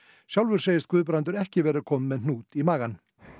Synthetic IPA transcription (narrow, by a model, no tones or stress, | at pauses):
ʃjawlʋʏɾsejɪskʉːðp̬ɾant̪ʏɾɛhcɪvɛːɾakʰɔmːɛðnuːt̪imaːɣan